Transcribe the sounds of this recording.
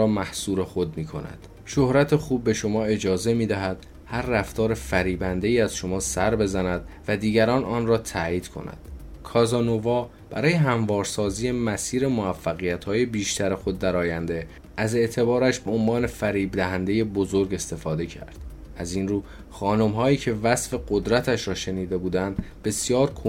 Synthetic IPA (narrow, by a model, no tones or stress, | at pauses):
mæhsuːɾe̞xo̞d̪miːkʰo̞̰næ̰d̪̥ | ʃo̞hɾæt̪ʰexuːb̚ːe̞ʃo̞mɒːe̞d͡ʒɒːze̞miːd̪æɦæd̪̥ | hæɾːæft̪ʰɒːɾe̞fæɾiːbænd̪e̞iːæz̥ʃo̞mɒːsæɾbe̞zænæd̪̥̚væd̪iːɟæɾɒːnɒːnrɒːt̪ʰæːiːd̪̥kʰo̞̰næ̰d̪̥kʰɒːzɒːnovɒː | b̥æ̰ɾɒːje̞ɦæɱvɒːɾsɒːziːje̞mæsiːɾe̞moæfːæɣijæt̪hɒːje̞biːʃt̪ʰæɾe̞xod̪ːæɾɒːjænd̪e̞ | ʔæze̞ʔt̪ʰe̞bɒːɾæʃbeonvɒːne̞fæɾiːbd̪æɦænd̪e̞je̞bo̞zo̞ɾɡe̞st̪e̞fɒːd̪e̞cʰæ̰ɾd̪̥ | æzinruː | xɒːno̞mɦɒːiːcʰe̞væsfe̞ɢo̞d̪ɾæt̪ʰæʃɾɒːʃe̞niːd̪e̞buːd̪ænd̪be̞sjɒːɾkʰo